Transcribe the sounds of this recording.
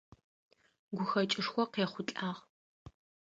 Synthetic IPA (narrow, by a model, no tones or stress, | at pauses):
ɡʷʊxɐt͡ʃʼɪʂxʷɔqeːχʷʊt͡ɬʼaːʁ